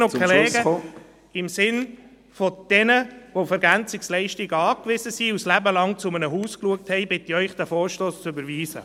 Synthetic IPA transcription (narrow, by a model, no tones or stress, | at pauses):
oɛleːɡə | ɪmsɪn | fɔd̥ɛnəʋofɛɾɡænt͡sɪkslɛɪʃtɪɡəɑːkʋɪzəsiuslæbəlɑŋt͡sʊmənəɦuːskluək̚thɛɪbɪtiœʏχd̥æfoːɾʃtoːst͡søbəɾʋiːzə̰